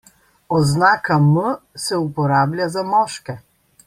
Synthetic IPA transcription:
ɔznakaməsɛupoɾablʲjazamɔʃkɛ

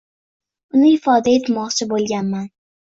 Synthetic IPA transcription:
ʊnɪɪfɒd̪aet̪mɒqt͡ʃʰɪbolˠɡʲanman

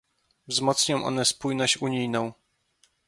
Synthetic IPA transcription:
vzmɔt̪sɲɔ̃w̃ʔɔ̰nɛspujnɔɕt͡ɕuɲijnɔ̃w̃

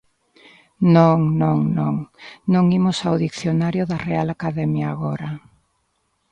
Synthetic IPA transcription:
nõŋnõŋnõŋnõŋimʊsawðikθjonaɾjʊðɐrealakaðɛmjaːɣɔɾɐ

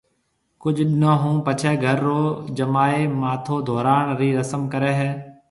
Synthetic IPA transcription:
kʊd͡ʒʱɗɪnõːɦũːpət͡ʃʰɛːɡʱəɾːoːd͡ʒəmaːeːmaːt̪ʰoːd̪ʱoːɾaːɳɾiːɾəsəmkəɾeːɦɛː

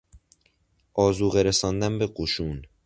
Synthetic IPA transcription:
ʔɒːzuːɣeɾesɒːnd̪æmbeɢoʃuːn

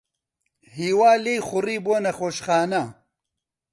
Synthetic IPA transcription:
hiːwaːlejxʊriːboːnɐxoːʃxaːnɐ

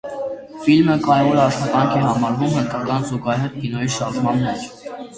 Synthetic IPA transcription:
filməkɑɾɛvɔɾɑʃχɑt̪ɑŋkʰɛɦɑmɑɾvumhənkʰɑkɑnzuɡɑɦɛɾt̪̚kinɔjiʃɑɾʒmɑnːɛt͡ʃʰ

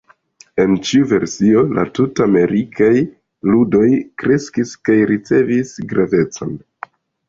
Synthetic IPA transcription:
e̞nt͡ʃiuve̞ɾsio̞la̰tutaame̞ɾikʰaj | ludo̞jkɾe̞skiskajɾit͡se̞visɡɾave̞t͡so̰n

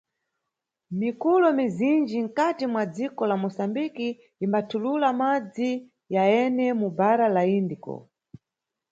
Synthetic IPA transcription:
mikulɔmizind͡ʒiŋ̩katimwad͡zikɔlamɔsambikiː | mbatʰululamad͡zi | jaɛnɛmubaɾalaindikɔ̰

